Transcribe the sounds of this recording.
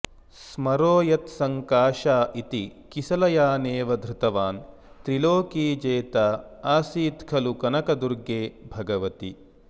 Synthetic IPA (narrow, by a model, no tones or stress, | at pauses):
smɐɾoːjɐt̪sɐŋkaːʃaːʔit̪ikisɐlɐjaːneːʋɐd̪ʱɾut̪ɐʋaːn | t̪ɾiloːkiːd͡ʒeːt̪aːaːsiːt̪kʰɐlukɐnɐkɐd̪uɾɡeːbʱɐɡɐʋɐt̪i